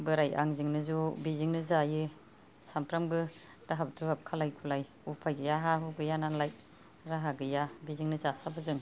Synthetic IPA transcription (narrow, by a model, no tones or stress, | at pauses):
bɯɾaja̰ŋzɯŋnɯzubiziŋnɯzajɯ | sampɾambɯ | daɦabtʰɾuɦap̚kʰalajkʰulaj | upʰajɡɯjaɦaɦɯɡɯjananlaj | ɾaɦaɡɯjabiziŋnɯzasabɯzɯŋ